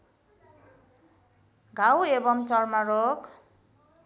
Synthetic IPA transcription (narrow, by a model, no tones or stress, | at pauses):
ɡʱawebʌmt͡sʌrmarok